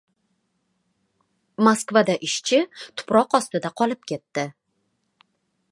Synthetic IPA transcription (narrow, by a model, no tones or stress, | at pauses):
maskvad̪aʔɪʃt͡ʃʰɪt̪ʰʊ̥pɾɒqɒst̪ɪd̪aqʰɒlɪp̚kʲe̞t̪ːɪ